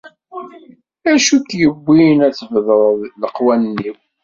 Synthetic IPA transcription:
æʃukjəbːinæt͡sːəvðəɾˤləqwænːiw

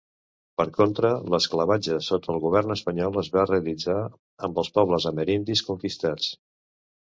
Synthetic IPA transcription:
pəɾkont̪ɾələskləβad͡ʒəsot̪ʰəlˠɣuβ̞ɛrnəspəɲɔlˠəzβareəlid͡za | əmbəlˠspɔβləzəməɾind̪iskuŋkist̪at͡s

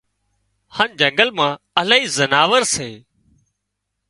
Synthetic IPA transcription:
haːnd͡ʒə̃ŋɡəlmãː | əlaːiːzənaːʋəɾseː

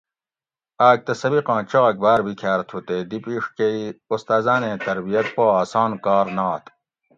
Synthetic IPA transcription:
aːk̚t̪ɐsɐbiqɑ̃ːt͡ɕɐʁɐk̚baːɾbikʰaːɾt̪ʰut̪eːd̪ipiːʂkeiust̪aːzaːnẽːt̪ɐɾbijɐt̪̚poːaːsaːnkaːɾnaːt̪

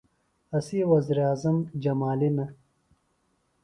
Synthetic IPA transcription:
ɐsiwɐziːɾaːzɐmd͡ʑɐmaːlinɐ

